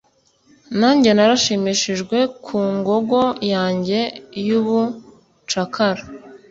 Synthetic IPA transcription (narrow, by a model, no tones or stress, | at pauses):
naːɲɟe̞naɾaʃimiʃiʒɡwe̞kʰuːŋɡo̞ɡo̞jaːɲɟe̞juβu | t͡ʃakʰaɾa